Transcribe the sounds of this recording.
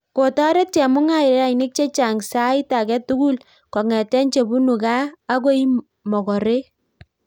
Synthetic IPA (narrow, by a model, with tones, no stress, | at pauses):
ko˨tɔ˦ɾe˦t̚t͡ʃɛ˨mʊ˦ŋa˦ɪ˨ɾɾa˦inɪ˦k̚t͡ʃe˦t͡ʃa˨ŋsa˦i˦ta˨kɛ˦tu˦ɡu˦l | kɔ˨ŋɛ˨tɛ˦nt͡ʃe˨bu˦nu˨kaː˦ko˦i˦ | mɔ˨kɔ˨ɾe˦